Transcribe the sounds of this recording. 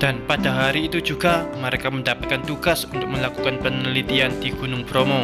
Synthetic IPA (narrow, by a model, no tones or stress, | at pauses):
d̥anpadaɦaɾiːt̪ud͡ʒuɡaməɾekaməndapat̪̚kant̪uɡasunt̪ʊk̚məlakukanpənəlit̪iandiɡ̥unʊŋpɾomo